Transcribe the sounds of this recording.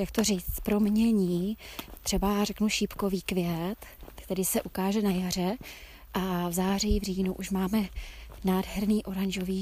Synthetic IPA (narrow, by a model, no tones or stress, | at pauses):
jak̚t̪oriːt͡s̪pɾo̞mɲɛɲiːt̪r̥ɛbarɛknuʃipko̞viːkvɪjɛt̪t̪ɛdɪsɛʔukaːʒɛnajar̝ɛ | ʔavzaːr̝ijːvriːnuʔuʃmaːmɛnaːdɦɛɾniːʔo̞ɾaɲʒo̞viː